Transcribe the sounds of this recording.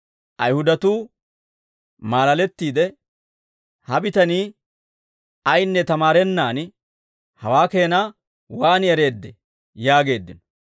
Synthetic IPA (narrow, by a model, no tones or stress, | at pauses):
ʔɐjhʊd̪ɐt̪uː | maːlɐlɛt̪ːiːd̪ɛ | hɐbɪt̪ɐniː | ɐjnːɛt̪ɐmaːɾɛnːaːn | hɐwaːke̞ːnaː | waːnɪɛɾe̞ːd̪ːɛ | jaːɡe̞ːd̪ːɪnɔ